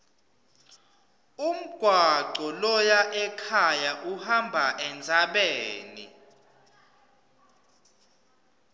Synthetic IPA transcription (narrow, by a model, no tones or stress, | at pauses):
um̩ɡ̥ʱwaǀɔlɔjaʔɛkʰajaʔuhambʱaʔɛnd͡zʱaɓeːnḭ